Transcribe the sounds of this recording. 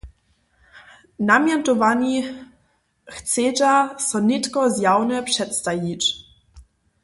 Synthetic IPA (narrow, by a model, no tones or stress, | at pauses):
namjɛnt̪ɔvaɲi | xt͡sɛtasɔnɪt̪kɔzjawnɛpʂɛt̪st̪ajit͡ʃ